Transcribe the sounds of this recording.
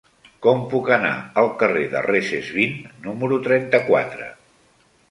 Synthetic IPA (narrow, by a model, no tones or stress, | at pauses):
kɔmpukəna̰əlˠkəreðə̰reʃezβinːuməɾut̪ɾɛnt̪əkwa̰t̪ɾə̰